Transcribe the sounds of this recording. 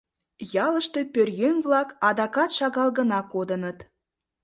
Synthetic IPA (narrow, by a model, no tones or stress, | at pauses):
jɑləʃt̪e̽pørjenβlɑkɑd̪ɑkɑt̪ʃɑɣɑlɣənɑkod̪ənət̪